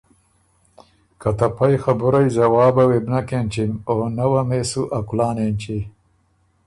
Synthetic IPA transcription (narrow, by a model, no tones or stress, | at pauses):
kɐt̪ɐpajxabuɾajzɐwɑːbɐwebnɐkent͡ʃimonɐwameːsuʔɐkulɑːnent͡ʃi